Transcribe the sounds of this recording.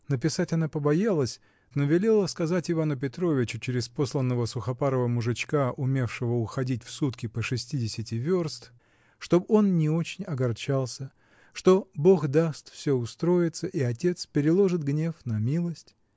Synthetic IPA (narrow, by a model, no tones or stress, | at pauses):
nəp̬ʲɪsatʲɐnapəbɐjalˠəsʲ | novʲɪlʲe̞lˠəskɐzatʲɪvanʊpʲɪt̪ɾo̞vʲɪt͡ɕʊt͡ɕɪɾʲɪspo̞slˠənːəvəsʊxɐpaɾəvəmʊʐɨt͡ɕkaʔʊmʲe̞fʂɨvəʊxɐdʲit̚ʲfsut̪kʲɪpəʂɨsʲtʲidʲɪsʲɪtʲɪvʲorst̪ | ʂt̪o̞bo̞nnʲɪo̞t͡ɕɪnʲɐɡɐrt͡ɕalˠsʲə | ʂt̪o̞bo̞xd̪ast̪fsʲo̞ʊst̪ɾo̞jɪt̪səʔiɐtʲe̞t̪spʲɪɾʲɪlˠo̞ʐɨt̪ɡnʲe̞fnɐmʲilˠəsʲtʲ